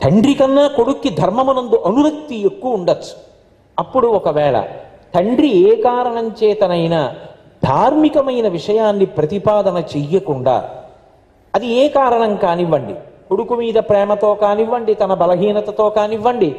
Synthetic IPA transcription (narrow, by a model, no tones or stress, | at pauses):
t̪ʰɐɳɖɾikɐnːaːko̞ɽukːid̪ʱɐɾmɐmunɐnd̪uʔɐnuɾɐk̚t̪ːiekːuuɳɖɐt͡ʃːu̥ | ɐpːuɽuɔkɐʋɛːɭɐ̰ | t̪ʰɐɳɖɾiɛːkaːɾɐɳɐmt͡ʃɛːt̪ɐnɐjnɐ | d̪ʱaːɾmikɐmɐjnɐʋiʂɐjaːnːipɾɐt̪ipaːd̪ɐnɐt͡ʃɛjːɐkuɳɖa̰ː | ɐd̪iɛːkaːɾɐɳɐmkaːniʋːɐɳɖḭkoɽukumiːd̪ɐpɾɛːmɐt̪o̞ːkaːniʋːɐɳɖit̪ɐnɐbɐlɐɦiːnɐt̪ɐt̪o̞ːkaːniʋːɐɳɖi